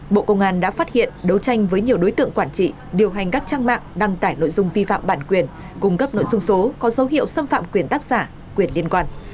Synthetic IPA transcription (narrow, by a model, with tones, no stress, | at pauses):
ɓo̰˧˨kə˧wŋ͡mʔaː˧nɗa̰ː˧˥faː˦˥t̚hḭ˧˨ənɗə˨˦wt͡ɕa˧jŋ̟vəː˨˦jɲi˨˩əwɗo˨˦jt̪ɨ̰˧˨əŋkwaː˧˩nt͡ɕḭ˧˨ | ɗi˨˩əwɦa˨˩jŋ̟kaː˦˥k̚t͡ɕaː˧ŋma̰ː˧˨ŋɗa˧ŋt̪aː˧˩jno̰˧˨jzʊ˧ŋ͡mvi˧fa̰ː˧˨mɓaː˧˩nkwi˧˩ən | kʊ˧ŋ͡mkə˦˥p̚no̰˧˨jzʊ˧ŋ͡mso˨˦kɔ˨˦zə˨˦wɦḭ˧˨əwsə˧mfa̰ː˧˨mkwi˧˩ənt̪aː˦˥k̚z̥aː˧˩ | kwi˧˩ənli˧ənkwaː˧n